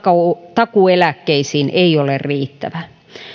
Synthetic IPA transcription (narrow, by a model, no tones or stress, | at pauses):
kɑt̪ɑkuelækːeisiːnʔeiolerriːt̪ːæ̰ʋæ